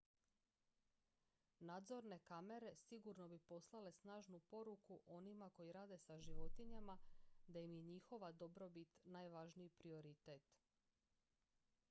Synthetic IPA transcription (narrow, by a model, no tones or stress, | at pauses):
naːd̪zo̞ɾne̞kame̞ɾe̞siɡuɾno̞bipo̞slˠale̞snaːʒnupo̞ɾukuʔo̞nimako̞jiɾaːd̪e̞saʒiʋo̞t̪iɲamad̪ajimjeɲixo̞ʋad̪o̞bɾo̞bit̪naːjʋaʒnijipɾio̞ɾit̪eːt̪